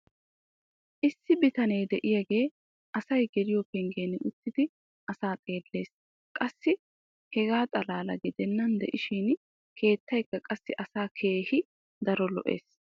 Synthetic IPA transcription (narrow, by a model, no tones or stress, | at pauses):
ʔɪsːɪbɪt̪ɐnɛjd̪ɛʔɪjɐɡe̞ː | ʔɐsɐjɡɛɾɪjɔpɛŋɡeːnʔʊt̪ːɪd̪ɪ | ʔɐsaːt̪ʼe̞ːlːe̞ːs | kʼɐsːɪ | hɛɡaːt̪ʼɐlaːlɐɡɪd̪ɛnːɐnd̪ɛ̰ʔɪʃiːn | kʰe̞ːt̪ːɐjkːɐkʼɐsːɪʔɐsaːkʰe̞ːhɪ | d̪ɐɾɔlɔ̰ʔḛːs